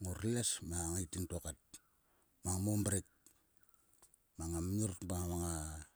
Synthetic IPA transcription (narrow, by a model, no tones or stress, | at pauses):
ŋoɾilasmaŋaitintokat̚ | maŋmombɾet̚ | maŋamurtbaŋmaŋa